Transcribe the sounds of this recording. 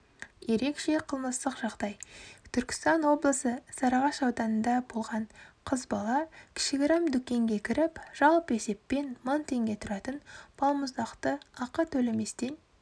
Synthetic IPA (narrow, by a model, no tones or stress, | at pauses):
je̞ɾe̞kʃe̞qʰəlˠməst̪əqʒɑʁd̪ɑjt̪ʰʏɾkʲɪ̥st̪ɑnwo̞blˠəsəsɑɾɑʁɑʃɑwd̪ɑnənd̪ɑbolˠʁɑɴqʰəzbɑlˠɑkʲʰɪ̥ʃɪɡʲɪɾɑmd̪ʏkʲe̞ŋɡʲe̞kʲʰɪɾɪpʒ̥ɑlˠpe̞se̞pːe̞nmont̪ʰe̞ŋɡʲe̞t̪ʰʊɾɑt̪ənb̥ʰɑlˠməzd̪ɑqt̪əɑqɑt̪ʰɵleme̞st̪en